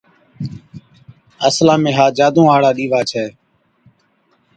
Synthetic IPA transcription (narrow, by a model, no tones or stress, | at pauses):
əslãːmẽːɦaːd͡ʒaːd̪õːaːɽaːɗiːʋaːt͡ʃʰɛː